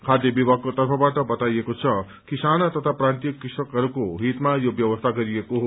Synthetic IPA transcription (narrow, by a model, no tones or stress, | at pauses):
kʰad̪jʌbibʱaɡkot̪ʌrpʰʌbaʈʌbʌt̪ajekot͡sʰʌ | kisanʌt̪ʌt̪ʰaprãnt̪ijʌkːisʌkɦʌɾukoɦit̪majobjʌwʌst̪ʰaɡʌɾijekoɦo